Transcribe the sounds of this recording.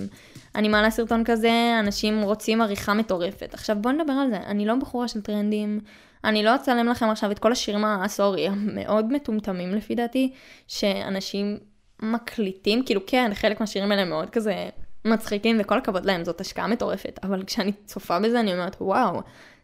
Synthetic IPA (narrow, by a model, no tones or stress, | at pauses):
m | a̰nimalasiʁto̞nkaze̞anaʃimʁo̞t͡simaʁiχame̞to̞ʁe̞fe̞̰taχʃavbo̞ned̪abe̞ʁalze̞ʔa̰nilo̞baχuʁaʃeltʁend̪im | anilo̞t͡saleemlaχe̞maχʃavetko̞laʃiʁimaːsoʁiamːḛʔo̞dme̞tumtamimlefid̪aːtiʃe̞a̰naʃimː | akʰlitimkiːlukʰenχe̞lekmeaʃiʁimaeleemeo̞d̪̚kaze̞mat͡sχikimveko̞lakavo̞tlae̞mzo̞taʃka̰ʔame̞to̞ʁe̞fe̞tavalkʃeanit͡so̞fabe̞zeanio̞meet̪waw